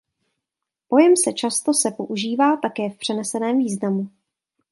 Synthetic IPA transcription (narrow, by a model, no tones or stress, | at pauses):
po̞jɛmsɛt͡ʃast̪o̞sɛpo̞ʔuʒiːvaːt̪akɛːfpr̝̥ɛnɛsɛnɛːmviːznamu